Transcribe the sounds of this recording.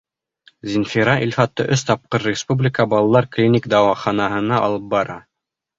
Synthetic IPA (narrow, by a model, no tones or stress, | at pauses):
zʲɪnfʲiɾɑʔilʲfɑt̪ːɤʔɵst̪ɑp̚qɤɾːʲɪspublʲɪkəbɑlˠɑlˠɑɾklʲinʲikd̪ɑwɑχɑnɑhɤ̆nɑʔɑ̰lˠɤp̚bɑɾɑ